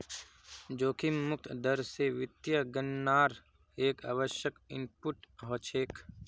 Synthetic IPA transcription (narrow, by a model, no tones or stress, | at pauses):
d͡ʒoːkʰimːʊk̚t̪ʰd̪əɾseʋɪt̪jəɡənːaːɾ | eːka̰ːʋəʃjəkɪmpʊʈɦoːt͡ʃʰeːk